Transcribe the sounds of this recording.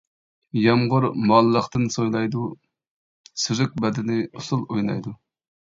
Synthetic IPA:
jɑmʁʊɾmɑlˠːəχt̪ɨnsojlˠɑjd̪u | syzɪk̚bɛd̪ɪnɪusulˠojnɑ̰jd̪u

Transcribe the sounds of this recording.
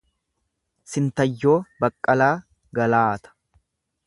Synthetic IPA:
sɪnt̪ɐjːo̞ːbɐkʼːɐlaː | ɡɐlaːt̪ɐ̥

